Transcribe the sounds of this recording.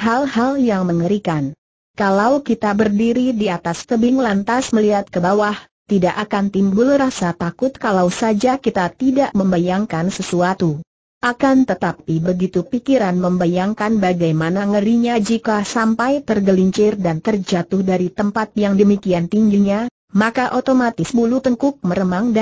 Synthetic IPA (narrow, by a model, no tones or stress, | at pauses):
ɦalhaljaŋməŋəɾikan | kalawkit̪abərdiɾidiat̪ast̪əbiŋlant̪asməliɦat̪̚kəbawah | t̪idaʔakant̪imbʊlrasat̪akʊt̪̚kalawsad͡ʒakit̪at̪idaʔməmbajaŋkansəsuat̪u | ʔakant̪ət̪ap̚ibəɡit̪upikiɾanməmbajaŋkanbaɡajmanaŋəɾiɲad͡ʒikasampajt̪ərɡəliɲt͡ʃɪrdant̪ərd͡ʒat̪ʊhdaɾit̪əmpat̪̚jaŋdəmikiant̪iŋɡiɲa | makaʔot̪omat̪ɪspulut̪əŋkʊk̚məɾəmaŋda